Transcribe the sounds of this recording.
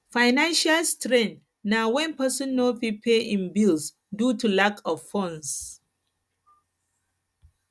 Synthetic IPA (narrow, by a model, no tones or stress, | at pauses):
faɪnãnʃalstɹɛ̃nt | nawɛ̃npəsɔ̃nːopipʰeʔĩnbils | dutʰulakʰɔvfɔ̃ns